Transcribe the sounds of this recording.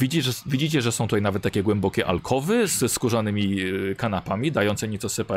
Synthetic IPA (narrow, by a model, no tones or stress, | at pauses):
id͡ʑiʐvʲid͡ʑit͡ɕɛʐɛsɔ̃w̃t̪ut̪ajnavɛt̪ːakʲɛɡwɛmbɔkʲɛʔa̰lkʰɔvɘzskuʐanɘmʲikanapamʲid̪ajɔnt̪sɛɲɛtsɔsɛpa